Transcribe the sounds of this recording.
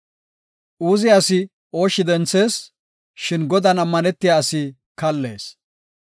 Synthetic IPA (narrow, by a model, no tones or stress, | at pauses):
ʔuːzɪjːsɪ | o̞ːʃːɪd̪ɛnt͡sːe̞ːs | ʃɪnɡɔd̪ɐnɐmːɐnɛt̪ːɪjaɐsɪ | kɐlːe̞̰ːs